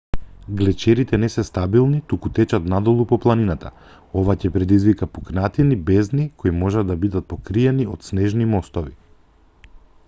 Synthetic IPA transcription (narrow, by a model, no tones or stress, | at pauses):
ɡlɛt͡ʃɛɾit̪ɛnɛsɛst̪abilˠnit̪ukut̪ɛt͡ʃat̪nad̪olˠupɔplˠaninat̪a̰ | ovacɛpɾɛd̪izvikapo̥knat̪inibɛznikoimɔʒad̪abid̪at̪̚pokɾiɛniɔt̪snɛʒnimɔst̪ɔvḭ